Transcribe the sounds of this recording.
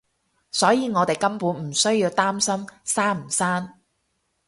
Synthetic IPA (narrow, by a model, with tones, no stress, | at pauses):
sɔː˨˥jiː˨˧ŋɔː˨˧t̪e˨jkɐ˥mpuː˨˥nm̩˨˩sɵ˥ɥjiː˧wt̪aː˥msɐ˥msaː˥m̩˨˩saː˥n